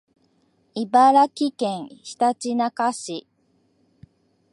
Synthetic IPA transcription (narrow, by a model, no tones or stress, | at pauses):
ibaɾakʲikẽɰ̃çi̥t̪at͡ɕinakaɕi